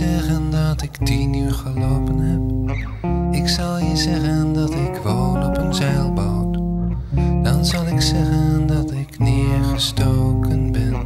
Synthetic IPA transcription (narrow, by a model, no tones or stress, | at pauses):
ɛɣəndɑtɪktinyːɹχəlowpənɦɛp̚ | ɪksɑlˠjəzɛɣəndɑtɪkʋownɔpənzɛjlˠbawt | dɑnzɑlˠɪksɛɣəndɑtɪknɪːɹχəstoːwkənbɛn